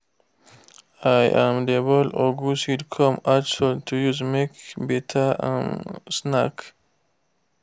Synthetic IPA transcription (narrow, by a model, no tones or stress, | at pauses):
ajʔãmdebəloɡusidkʰɔ̃mat͡ʃəltʰujuzmekbetʰaã̰nsnak